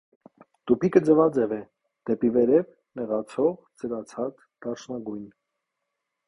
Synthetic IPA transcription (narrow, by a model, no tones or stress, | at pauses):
t̪upʰikəd͡zəvɑd͡zɛvɛ | d̪̥ɛpivɛɾɛv | nɛʁɑt͡sʰɔʁt͡səɾɑt͡sʰɑt͡s | d̪̥ɑt͡ʃʰnɑɡujn